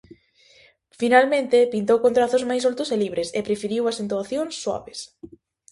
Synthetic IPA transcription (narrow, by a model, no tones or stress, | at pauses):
finalmẽnt̪ɪpint̪owkõnt̪ɾaθʊzmajs̬olt̪ʊseliβɾʔesepɾefiɾiwasent̪uaθjoŋsːwa̰βes